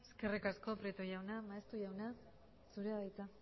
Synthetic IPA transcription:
eske̞rikasko̞pɾit̪oʝawnamaest̪uʝawna | suɾeaðajt͡sa

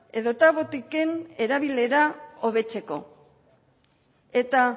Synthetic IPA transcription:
e̞ðo̞t̪aβo̞t̪ike̞ne̞ɾaβile̞ɾao̞β̞e̞t͡se̞ko̞̰ | e̞t̪a

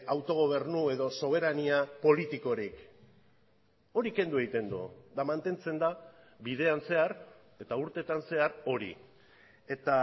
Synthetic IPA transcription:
awt̪o̞ɣ̞o̞β̞e̞ɾnue̞ðo̞so̞β̞e̞ɾaniapo̞lit̪iko̞ɾik | o̞ɾike̞nd̪ue̞ɣit̪e̞nd̪ṵd̪amant̪e̞nt͡se̞nd̪a | βiðe̞anse̞aɾ | e̞t̪auɾt̪e̞t̪anse̞aɾo̞ɾḭ | e̞t̪a

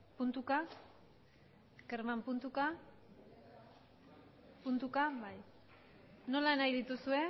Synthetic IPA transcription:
punt̪uka | keɾmampunt̪uka | punt̪ukaβaj | no̞lanajðit̪usue̞

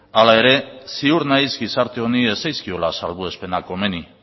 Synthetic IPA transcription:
alae̞ɾe̞siuɾnajzɡisaɾt̪eo̞nie̞sajskio̞lasalβue̞spe̞nako̞me̞ni

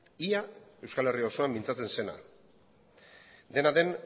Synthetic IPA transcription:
iae̞wskale̞riosoambint͡sat͡se̞nse̞na̰ | d̪e̞naðe̞n

